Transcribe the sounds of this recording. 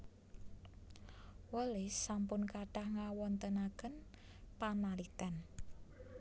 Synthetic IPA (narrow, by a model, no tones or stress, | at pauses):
wəlɪsːampʊnkaɖ̥a̤hŋawɔnt̪ənakən | panalit̪an